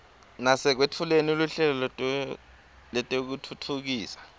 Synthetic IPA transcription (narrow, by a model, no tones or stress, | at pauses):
nasɛk̬wetʰulenuluɬɛlɔlɛtʼ | lɛtʼɛuk̬utʰutʰuk̬iːsḁ